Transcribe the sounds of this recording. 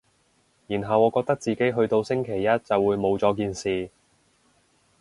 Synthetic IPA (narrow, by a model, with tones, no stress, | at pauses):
jiː˨˩nɦɐ˨wɔː˨˧kɔː˧k̚t̪ɐ˥k̚t͡siː˨ke˥jɦɵ˧ɥt̪o˧wsɪ˥ŋkʰe˨˩jːɐ˥t̚t͡sɐ˨wːuː˨˧jmo˨˧wt͡sɔː˨˧k̬iː˧nsiː˨